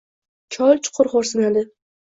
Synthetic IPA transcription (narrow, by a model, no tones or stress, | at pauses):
t͡ʃʰɒlˠt͡ʃʰʊ̥qʰʊɾχoɾsɪnad̪ɪ